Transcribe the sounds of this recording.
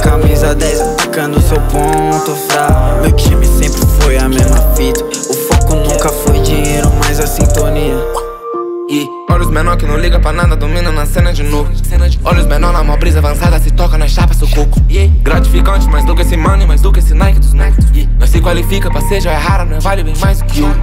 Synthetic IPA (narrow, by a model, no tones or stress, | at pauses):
kamizɐd̪ɛsɐfikɐ̃nd̪ʊsewpõt̪ʊsamewt͡ʃimɪsẽmpɾɪfojɐmezmɐfit̪ɐ | ʊfokʊnũkɐfojd͡ʒiɲejɾʊmajzɐsĩnt̪oniɐ | ɪ | ɔʎʊzmenõkɪnɐ̃w̃liɡɐpɾɐnad̪ɐd̪omĩnɐ̃nɐsẽnɐd͡ʒɪnovʊɐsẽnɐɔlʊzmenõnɐmãbɾizɐavɐ̃sad̪ɐsɪt̪ɔkɐnɐʃapɐzokokʊ̥ieɡɾat͡ʃi̥fikɐ̃nt͡ʃɪmazd̪okesɪmɐ̃nɪmajzd̪ukesɪnajkɪd̪ʊzmɛt̪ʊiɐsɪkwalifikɐpɐseʒɐɛɦaɾɐñɛvalɪbẽj̃majzd̪ʊkɪã